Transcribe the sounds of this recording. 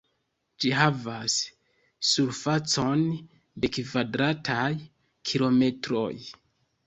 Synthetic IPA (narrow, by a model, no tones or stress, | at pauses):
d͡ʒiɦavasː | uɾfat͡so̞n | de̞kvadɾatʰaj | kʰilo̞me̞tɾo̞̰j